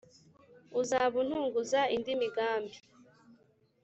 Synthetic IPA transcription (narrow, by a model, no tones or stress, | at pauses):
uzaβun̥huːŋɡuzaindimiɡaːmbi